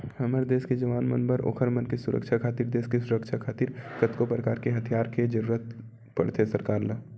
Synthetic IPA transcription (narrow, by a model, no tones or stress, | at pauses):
hɐməɾd̪eːsked͡ʒɐʋaːnmənbəɾo̰ːkʰəɾmənkesʊɾə̰kʃʰakʰaːt̪iːɾd̪eːskesʊɾəkʃʰakʰaːt̪iːɾkət̪kopɾəkaːɾkeɦɐt̪ʰjaːɾked͡ʒəɾuːɾət̪̚ | pɐ̰ɽt̪ʰesɐɾkaːɾlə